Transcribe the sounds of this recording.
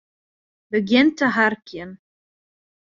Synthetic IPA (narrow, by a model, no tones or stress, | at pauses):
bəɡjɪntəɦarkjɪən